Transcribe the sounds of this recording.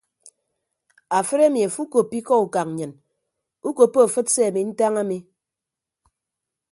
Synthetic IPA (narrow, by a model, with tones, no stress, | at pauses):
a˨fɨ˦ɾe˦mi˨a˨fu˦ko˨pi˦kɔ˦u˨ka˨kɲɨ˨n | u˦ko˨pːo˦a˨fɨ˦t̚se˦a˨mi˨n̩˦ta˦ŋa˦mi˨